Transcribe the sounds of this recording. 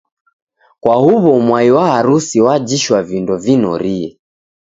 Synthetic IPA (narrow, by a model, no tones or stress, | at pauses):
kwahuβɔmwaiwaaɾusiwad͡ʒiʃwavindɔvinɔ̰ɾiɛ